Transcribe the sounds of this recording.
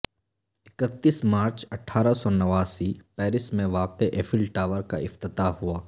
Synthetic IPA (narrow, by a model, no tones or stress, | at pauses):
ɪkət̪ːiːsmaːɾt͡ʃɐʈʰːaːɾasɔnɐʋaːsipɛːɾɪsmẽʋaːqeʔefʰɪlʈaːʋəɾka̰ɪft̪ɪt̪aɦuaː